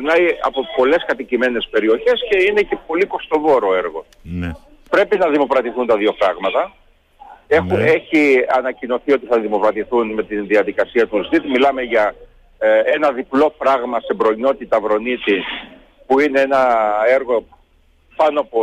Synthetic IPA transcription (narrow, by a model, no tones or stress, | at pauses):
ɾnɐjɐ̰popo̞le̞skɐt̪icime̞ne̞spe̞ɾio̞çe̞sce̞ine̞cepo̞liko̞st̪o̞vo̞ɾoe̞ɾɣo̞ | pɾe̞pinɐðimo̞pɾɐt̪iθunt̪ɐðio̞fɾɐɣmɐt̪ɐ | exueçiɐnɐcino̞θio̞t̪iθɐðimo̞pɾɐt̪iθunme̞t̪inðiɐðikɐsiɐt̪uzit̪milɐme̞ʝɐ | enɐðiplo̞fɾɐɣmɐsebɾo̞ino̞t̪it̪ɐvɾo̞nit̪i | puine̞enɐe̞ɾɣo̞ | pɐnoɐpo